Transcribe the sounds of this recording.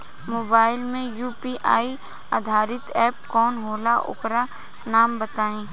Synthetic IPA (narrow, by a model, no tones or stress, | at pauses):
moːbaːɪlmẽjuːpiːʔaːi | ad̪ʱaːɾɪt̪ɛːpkɔːnɦoːlaʔʊ̰pɾa | naːmbɐt̪aːẽː